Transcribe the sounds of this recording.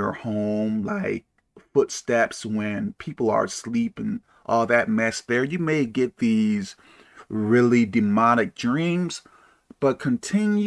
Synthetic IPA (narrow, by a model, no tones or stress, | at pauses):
ə˞hõʊ̃mlaɪk̚ | fʊtstɛpswɨ̃npʰipl̩ˠə̰˞slipɪ̃ŋ | ʔɔlˠðɨt̚mɛsðə˞jɨmeɪɡɛt̪̚ðiz̥ | ɹɪlˠidɨmɑɾɨk̚d̥ɹĩmz̥ | b̥ʌt̚kʰɨ̃ntʰɪ̃nj